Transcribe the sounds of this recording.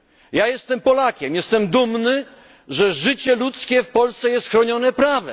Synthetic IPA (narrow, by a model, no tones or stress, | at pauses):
jajɛst̪ɛmpɔlakʲɛmjɛst̪ɛmd̪umnɘ | ʐɛʐɘt͡ɕɛlut̪skʲɛfpɔlst̪sɛjɛst̪xɾɔɲɔnɛpɾavɛ̰m